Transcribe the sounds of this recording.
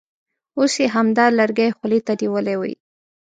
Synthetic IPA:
oseɦamd̪ɑlaɾɡajxlit̪aniwəlewə̰j

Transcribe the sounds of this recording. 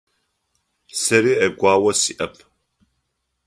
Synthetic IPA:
sɐɾiːɐɡʷaːwɐsiːʔɐpʰ

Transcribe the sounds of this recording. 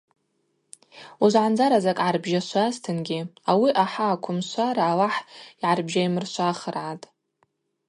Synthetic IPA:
uzʷʕand͡zaɾazakʼʕarbʒaʃʷastʰɨnɡʲɪawiʔaħaːkʷʰʊmʃʷaɾaːwaħiʕarbʒajmɨrʃʷʰaχərʕatʼ

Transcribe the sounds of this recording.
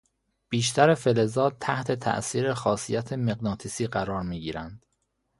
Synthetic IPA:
b̥iːʃt̪ʰæɾe̞fe̞le̞zɒːd̪̚t̪ʰæht̪ʰe̞t̪ʰæ̰ʔsiːɾexɒːsijæt̪ʰe̞meɡnɒːt̪ʰisiːɢæɾɒːɾmiːɟiːɾænd̪̥

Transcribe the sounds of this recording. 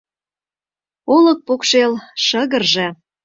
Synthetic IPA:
olɤ̆k̚pokʃelʃə̆ɣə̆rʒĕ

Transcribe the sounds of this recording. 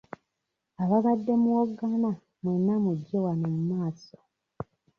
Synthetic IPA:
aβaβadːe̞muwoɡːana | mwenːamuɟːewanomumaːso̥

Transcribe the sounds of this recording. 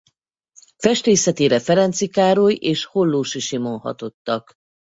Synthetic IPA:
fɛʃt̪eːsɛt̪eːɾɛfɛɾɛnt̪sikaːɾojeːʃho̞lːoːʃiʃimo̞nhɒ̰t̪o̞t̪ːɒk

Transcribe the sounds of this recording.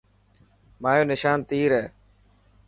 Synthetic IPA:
maːjoːnɪʃaːnt̪iːɾeː

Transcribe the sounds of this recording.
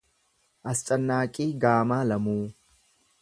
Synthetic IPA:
ʔɐst͡ʃʼɐnːaːkʼiːɡaːmaːlɐmuː

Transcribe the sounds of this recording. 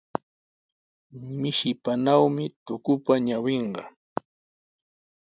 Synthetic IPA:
mɪʃɪpanawmɪt̪ʊkʊpaɲaweɴɢɑ

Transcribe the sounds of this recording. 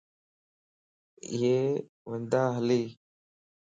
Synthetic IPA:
ɪ̰jeː | ʋənd̪aːɦəliː

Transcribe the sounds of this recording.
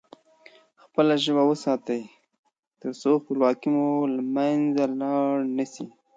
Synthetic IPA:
xpəlaʒəbawəsɑt̪əj | t̪əɾsoxpəlwɑkimulamanzalɑɽnəsi

